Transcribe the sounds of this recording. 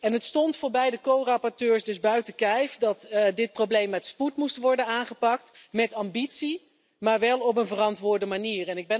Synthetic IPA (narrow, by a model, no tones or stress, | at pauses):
ɛnɦətstɔntfʊːɹbɛjdəkowrɑpɔɹtøːɹsdɵzbœɥtəkɛjfdɑtdɪt̚prowblejmːɛtsputmustʋɔɹdənaːnχəpɑk̚tmɛtɑmbitsi | maːɹʋɛlˠɔp̬ənvərɑntʋʊːɹdəmaniːrɛnɪɡ̚bɛ